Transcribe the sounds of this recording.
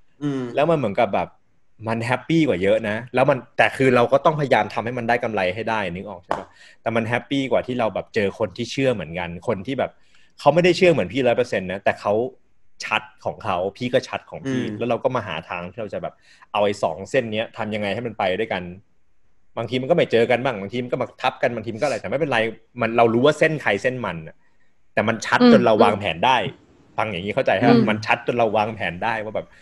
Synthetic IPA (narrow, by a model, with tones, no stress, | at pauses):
lɛː˦˥wma˧nmɯ˩˦ənka˨˩p̚bɛː˨˩p̚ | ma˧nɦɛ˦˥pːiː˥˩kwaː˨˩jɤ˦˥ʔna˦˥lɛː˦˥wma˧nt̪ɛː˨˩kʰɯː˧ɾa˧wkɔː˥˩t̪ɔ˥˩ŋpʰa˧ja˧jaː˧mt̪ʰa˧mha˥˩jma˧ndaː˥˩jka˧mla˧jɦa˥˩jdaː˥˩jnɯ˦˥k̚ʔɔː˨˩k̚t͡ɕa˥˩ba˦˥˩ | t̪ɛː˨˩ma˧nɦɛ˦˥pːiː˥˩kwaː˨˩t̪ʰiː˥˩ɾa˧wbɛː˨˩p̚t͡ɕɤː˧kʰo˧nt̪ʰiː˥˩t͡ɕʰɯ˥˩ɐmɯ˩˦ənka˧nkʰo˧nt̪ʰiː˥˩bɛː˨˩p̚ | kʰa˦˥wma˥˩jda˥˩jt͡ɕʰɯ˥˩ɐmɯ˩˦npʰiː˥˩lɔː˦˥jpɤ˧se˧nːa˦˥t̪ɛː˨˩kʰa˦˥w | t͡ɕʰa˦˥t̪̚kʰɔː˩˦ŋkʰa˦˥wpʰiː˥˩kɔː˥˩t͡ɕʰa˦˥t̪̚kʰɔː˩˦ŋpʰiː˥˩lɛː˦˥wɾa˧wkɔː˥˩maː˧ɦa̰ː˩˦t̪ʰaː˧ŋʰiː˥˩ɾa˧wt͡ɕa˨˩bɛː˨˩p̚ | ʔa˧wʔa˧jsɔ̰ː˩˦ŋse˥˩nːi˦˥ɐt̪ʰa˧mja˧ŋːa˧jha˥˩ma˧npa˧jdu˥˩əjka˧n | baː˧t̪ʰiː˧a˧nkɔ˥˩ma˥˩jt͡ɕɤː˧ka˧nbaː˥˩ŋbaː˧ŋʰiː˧ma˧nkɔː˥˩maː˧t̪ʰa˦˥p̚ka˧nbaː˧ŋt̪iː˧m˧kɔ˥˨˧jt̪ɛː˨˩ma˥˩pe˧nɾa˧j | ma˧nɾa˧wɾuː˦˥waː˥˩se˥˩nkʰa˧jse˥˩nma˧na˨˩ | t̪ɛː˨˩ma˧nt͡ɕʰa˦˥t̪̚t͡ɕo˧nɾa˧wːaː˧ŋpʰɛ̰ː˩˦ndaː˥˩j | fa˧ŋja˨˩ŋiː˦˥kʰa˥˩t͡ɕa˧jt̪ha˥˩ba˨˧˩ma˧nt͡ɕʰa˦˥t̪̚t͡ɕo˧nɾa˧wːaː˧ŋpʰɛː˩˦ndaː˥˩jwaː˥˩bɛː˨˩